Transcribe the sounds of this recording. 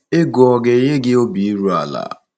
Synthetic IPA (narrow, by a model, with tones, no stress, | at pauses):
e˦ɡʊ˨ɔ˨ɡe˨ɦe˦ɡɪ˦o˦bi˨i˦ɾu˦a̰˨la̰˨